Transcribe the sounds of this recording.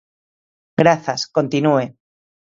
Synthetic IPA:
ɡɾaθasko̞nt̪inue̞

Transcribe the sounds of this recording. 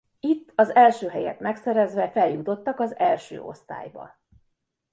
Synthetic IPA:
it̪ːɒzɛlʃøːɦɛjɛ̰t̪mɛksɛɾɛzʋɛfɛljut̪o̞t̪ːɒkɒzɛlʃø̰ːo̞̰st̪a̰ːjbɒ̰

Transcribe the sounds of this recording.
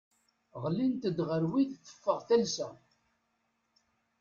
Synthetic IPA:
ʁlint̪əd̪ʁəɾwiθθːə̥fːəʁθælsæ̰

